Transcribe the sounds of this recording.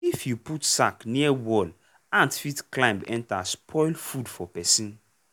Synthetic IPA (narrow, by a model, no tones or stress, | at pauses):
ifjuputsakniɛwɔl | ãntfitklãj̃mbɛ̰̃ntaspʰɔɪlfudfɔpɛsĩn